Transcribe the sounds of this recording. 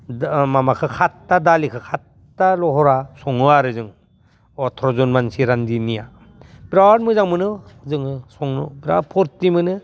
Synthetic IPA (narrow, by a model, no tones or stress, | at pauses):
mamakʰɯkʰatːadalikʰɯkʰatː | alɔɦɔɾasɔŋɯaɾɯzɯŋ | ɔtʰɾɔzɔnmansiɾandinija | bɾaɾmɯzaŋmɯnɯzɯŋɯsɔŋnɯbiɾa̰pʰɔɾtimɯnɯ